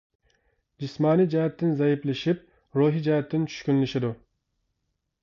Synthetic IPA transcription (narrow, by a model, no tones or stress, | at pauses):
d͡ʒismɑːnijd͡ʒɛɦɛt̪ʰːɪnzɛjiplɪʃip̚ | ɾuːɦid͡ʒɛɦɛt̪ʰːɪnt͡ʃʰy̥ʃkʲynlɪʃɪd̪u